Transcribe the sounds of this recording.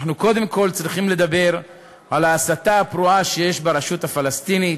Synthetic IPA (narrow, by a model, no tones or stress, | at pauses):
χnuko̞d̪e̞mko̞lt͡sʁiχimle̞d̪abe̞ʁ | alaːsat̪aːpɾuaʃeje̞ʃbeɾeʃut̪hafalast̪init